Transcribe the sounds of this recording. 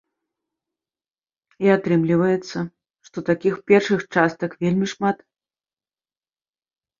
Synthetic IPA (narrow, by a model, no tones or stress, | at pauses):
iat̪ɾɨmlʲivɐjɛt̪sːɐ | ʂt̪ɔt̪akʲixpʲɛrʂɨxt͡ʂast̪ɐkvʲelʲmʲiʂmat̪